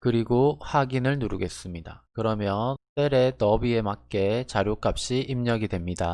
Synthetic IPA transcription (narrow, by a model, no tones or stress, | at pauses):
kɯɾiɡohaɡinɯɭnuɾuɡe̞s͈ɯmɲida̰kɯɾʌmjʌnt͈e̞ɾe̞tʌbie̞mak̚k͈e̞t͡ɕaɾjok͈ap̚ɕ͈iʔimɲʌɡidwe̞mɲida